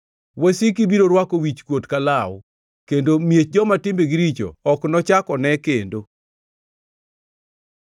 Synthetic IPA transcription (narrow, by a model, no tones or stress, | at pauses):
wesikibiɾoɾwakowit͡ʃkwotkalaw | kendomjet͡ʃd͡ʒɔmatɪmbeɡɪɾit͡ʃo̰ɔknɔt͡ʃakɔnɛkendo